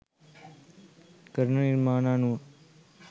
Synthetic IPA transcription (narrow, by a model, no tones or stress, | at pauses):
kəɾnəniɾmaːnaːnu